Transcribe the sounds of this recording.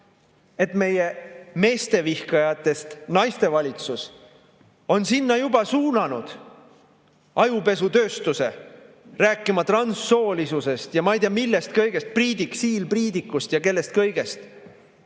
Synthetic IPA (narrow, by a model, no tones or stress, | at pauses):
e̞t̪me̞je̞me̞ːst̪e̞vihkɑjɑt̪ːˑe̞st̪nɑjst̪e̞vɑlʲit̪sus | o̞nsinːɑjubɑsuːnɑnud̪̥ | ɑjupe̞s̬ut̪øːst̪use̞ | ræːkːˑimɑt̪rɑnsːo̞ːlisuse̞st̪jɑmɑijt̪iɑmilːe̞st̪kɤjɡ̥e̞st̪̚priːd̪iksiːlpriːd̪ikːˑust̪jɑke̞lːe̞st̪̚kɤjɡ̥e̞st̪